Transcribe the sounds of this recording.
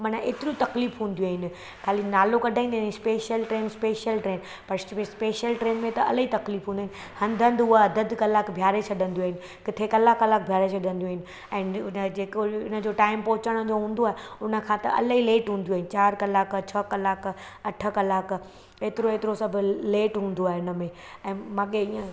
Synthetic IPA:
mɐnəʔeːt̪ɪɾut̪ɐkliːfɦũːn̆d̪juaːɦɪnɪ̆ | kʰaːlinaːlokɐɖʱaːĩnd̪speːʃjəlʈɾeːnspeːʃjəlʈɾeːn | pɐɾspeːʃjəlʈɾeːnmẽt̪ɐɐləit̪ɐkliːfɦũnːɦɪnɪ | hɐ̃nd̪ʱə̃nd̪ʊɦaɐd̪əd̪kɐlaːkbʱjaːɾet͡ɕʰɐɗə̃nd̪juaːɦɪnɪ̆ | kɪt̪ʰekɐlaːkːɐlaːk̚bʱjaːɾet͡ɕʰɐɗʱə̃nd̪ijaːɪnɪ̆ | ɛ̃ːnd͡ʑeːkoɪnə̆d͡ʑoʈaːɪmpoɦʊt͡ɕəɽ̃d͡ʑoɦũːn̆d̪oaːɦeʊnə̆kʰãːt̪ɐ̰ʔɐ̰ləɦileːʈɦũːnd̪ijaɦɪnɪt͡ɕaːɾkɐlaːkt͡ɕʰɐkɐlaːk | ɐʈʰə̆kɐlaːk | eːt̪ɪɾoeːt̪ɪɾosɐbʱʊ̆leːʈɦũːn̆d̪oaːɦeʊnə̆mẽ | ɛ̃ːmãːɠeiə̃

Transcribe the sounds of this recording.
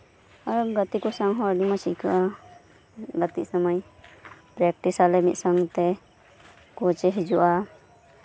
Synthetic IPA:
aɾɡət̪ikɔsaŋɦɔ̃əɖimat͡ʃʰikaʔa | ɡət̪isəməj | pɾɛk̚ʈisalɛmḭt̪̚ˀsəŋt̪ɛ | kɔt͡ʃɛɦid͡ʒuʔa

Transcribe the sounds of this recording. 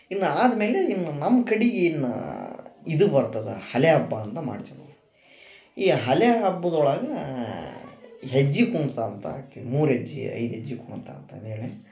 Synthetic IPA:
inːuaːd̪ɐmeːleinːunɐmːɐkɐɽiɡeːnːṵ | id̪ubɐɾt̪ɐd̪ɐ̰hɐleɦɐbːaːnt̪ɐma̰ːɽit̪inɐ | iːɦɐleɦɐbːɐd̪ɔɭɐɡɐ | ɦed͡ʒːikuɳt̪aːnt̪ɐa̰ːɡt̪id̪muːɾɦed͡ʒːḭɐ̰jd̪ɦed͡ʒːikuɳt̪a̰ːnt̪ɐɐ̰d̪eːɭe

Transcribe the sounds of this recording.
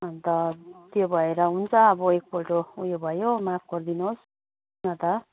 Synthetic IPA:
ʌnt̪ʌt̪jobʱʌeɾʌɦunt͡sʰʌʌbʌek̚poʈoujobʱʌjomapʰɡ̥ʌrd̪inuɦos | nʌt̪ʌ

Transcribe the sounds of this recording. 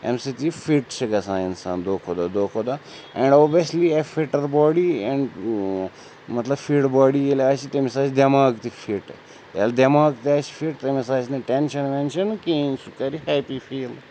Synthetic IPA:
ḛ̃msit̪ifiʈt͡ʃʰɐɡɐsãːinsa̰ːnd̪oːkʰoːd̪ad̪oːkʰoːd̪a | ɛ̃ɳɖoːbjɐsliefiʈɐɾbɔːɖiɛ̃ɳɖ | mɐt̪lɐbfiɖbɔːɖielaːt͡ʃit̪emisaːt͡ʃd̪ɐmaːɡt̪ifʰiʈ | tḛld̪ɐmaːɡ̚t̪iaːt͡ʃi̥fiʈt̪emisaːt͡ʃneʈẽnʃɐnmɛ̃nʃɐnkinsukɐɾihɛːpifiːl

